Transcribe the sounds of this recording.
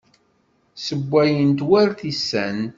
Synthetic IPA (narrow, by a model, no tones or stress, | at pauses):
səbʷːæjənt̪wæɾθisːæ̰n